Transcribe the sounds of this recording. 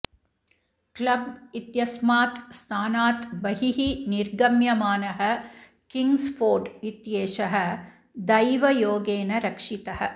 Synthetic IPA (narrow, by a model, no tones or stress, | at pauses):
klɐbit̪jɐsmaːt̪st̪ʰaːnaːt̪bɐɦiɦiniɾɡɐmjɐmaːnɐɦɐ | kiŋɡsfʰoːɾɖit̪jeːʃɐɦɐ | d̪ɐjʋɐjoːɡeːnɐɾɐkʂit̪ɐɦɐ̆